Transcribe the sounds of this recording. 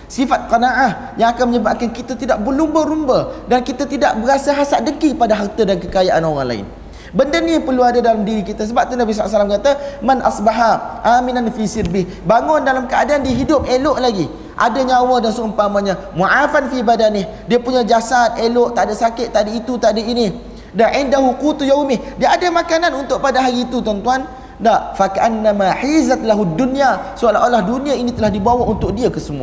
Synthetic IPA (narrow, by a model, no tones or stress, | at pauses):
sifat̪̚qənaʔah | jaŋakanməɲəbaʔkankit̪at̪idaʔ̚bəlumbəɾumbədankit̪at̪idaʔbəɾasaɦasaʔdəkikəpadaɦart̪adankəkajaʔanoɾaŋla̰ɪ̰n | bəndəniapərluadadalamdiɾikit̪as̬əbap̚t̪unabis̬aaʔaʔsalamkat̪amanʔa̰sbaɦaʔaminanfisɪrbɪh | baŋʊndalamkəadaːndiəɦidʊp̚elʊʔlaɡi | ʔa̰daɲawadansəəmpamaɲa | muʕafanfibadanɪh | diəpuɲad͡ʒasat̪̚elɔʔt̪aʔdasakɪt̪ʔt̪ːadait̪ut̪aʔdaini | daʕɪndaɦuqut̪ujawmɪhdiəʔadamakananunt̪ʊʔ̚padaɦaɾit̪ut̪ɔnt̪uan | daʔfakaʔanːamaħizat̪laɦudːunijasualaʔolahduniainĩt̪əlahdibawaunt̪ʊk̚diakəsəmua̰